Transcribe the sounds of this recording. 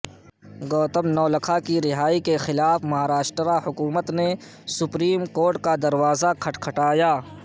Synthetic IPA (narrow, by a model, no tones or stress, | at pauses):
ɡɔːt̪əmnɔːlɐkʰakiɾɪɦaːikexɪlaːfmɐɦaːɾaːʃʈɾahʊkuːmət̪ne | sʊpɾiːmkoːɾʈkad̪ɐɾwaːzakʰɐʈkʰɐʈaːjaː